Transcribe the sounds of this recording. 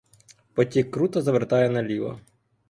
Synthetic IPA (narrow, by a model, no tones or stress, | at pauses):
pɔtʲikːɾut̪ɐzɐʋert̪ɑjɛnɐlʲiʋɐ̰